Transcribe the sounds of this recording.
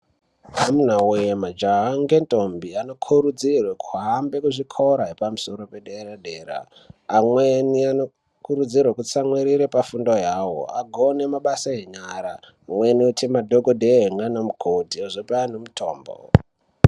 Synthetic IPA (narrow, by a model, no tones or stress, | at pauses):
amun̤awujemad͡ʒaɦaŋɡe̞ntʼombiano̞kʰuɾud͡zirwekʰuɦambe̞kuʐikʰoɾaɦepamuso̞ɾo̞pe̞ɗeraɗeːɾa̰ː | mweniano | kuɾud͡zirwekut͡samweɾiɾepafundojaːwo̰a̰ɡʱone̞maɓasaɦeɲaɾaː | mweniutimadʱoɡʱodʱeɦeŋɡanamukʰodioʐopeanomutʰoːmbo̰